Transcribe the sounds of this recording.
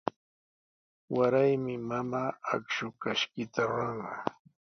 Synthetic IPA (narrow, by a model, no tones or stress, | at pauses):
waɾajmɪmamaːakʃʊkaʃkɪt̪aɾɑɴɢɑ